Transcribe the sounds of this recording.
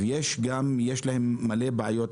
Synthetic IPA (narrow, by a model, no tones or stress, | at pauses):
jeːʃɡamjeːʃlahɪmːaleːbaʕajoːt̪